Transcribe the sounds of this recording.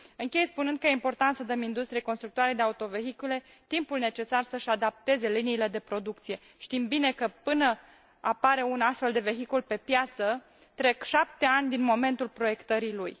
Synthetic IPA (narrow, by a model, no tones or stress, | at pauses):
ɨŋkʲe̞jspunɨnd̪̚kəjeimpo̞rt̪ant̪səd̪əmind̪ust̪ɾijeko̞nst̪ɾuk̚t̪oaɾed̪eaut̪o̞ve̞ɦikule̞ | t̪impulne̞t͡ʃe̞sarsəʃad̪ap̚t̪e̞ze̞liniːle̞d̪e̞pɾo̞d̪uk̚t̪sije̞ | ʃt̪imbine̞kəpɨnə | apaɾe̞unast̪fe̞ld̪e̞ve̞ɦikulpe̞pjat̪sə | t̪ɾe̞kʃap̚t̪e̞anʲd̪inmo̞me̞nt̪ulpɾo̞je̞kt̪əɾiluj